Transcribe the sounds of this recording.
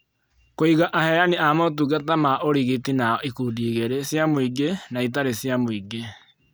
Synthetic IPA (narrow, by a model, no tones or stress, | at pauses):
koiɣaʔahɛjaniamot̬uɡatamaʔoɾiɣitinaikudiːɣeɾesjamoiɡenait̬aɾesjamoiɡe